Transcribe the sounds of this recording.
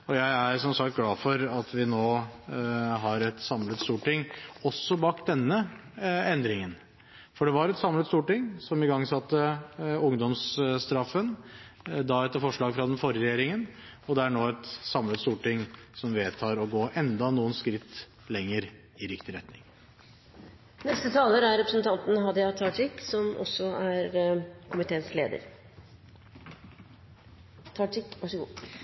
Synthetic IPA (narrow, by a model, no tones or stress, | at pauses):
ɔjæɪæɾsɔmsɑk̚t̪̚ɡlɑːfɔɾɑt̪ʰʋɪnoː | ɦɑɾɛt̪sɑmlət̪st̪uːʈɪŋɔsːɔbɑːkd̪ɛnːəɛnd̪ɾɪŋən | fɔɖɛʋɑɾɛt̪sɑmlət̪st̪uːʈɪŋːsɔmɪɡɑŋːsɑt̪ːəʊŋd̪ɔmsst̪ɾɑfːən | d̪ɑɛt̪ːəɾfɔʂɭɑːɡfɾɑd̪ɛnfɔɾɪəɾɛjeːɾɪŋən | ɔd̪ɛæɳoːɛt̪sɑmlət̪st̪uːʈɪŋːsɔmʋeːt̪ʰɑːɾɔɡoːʔɛnd̪ɑnuːənskɾɪt̪ː | lɛŋːəɾ | ɪɾɪkt̪ɪɾɛt̪nɪ̰ŋ | nɛst̪ət̪ʰɑːləɾæɾɾɛpɾəsənt̪ʰɑnt̪n̩ɦɑd̪jɑt̪ʰɑːʈɪkːsɔmʔɔ̰sːɔæɾkʰʊmɪt̪ʰeːnsleːd̪ə̰ɾ | t̪ʰɑʈɪkʋɑʂəɡṵː